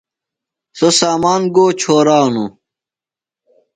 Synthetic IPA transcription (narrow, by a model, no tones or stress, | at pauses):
sosaːmaːnɡoːt͡ɕʰoːɾaːnu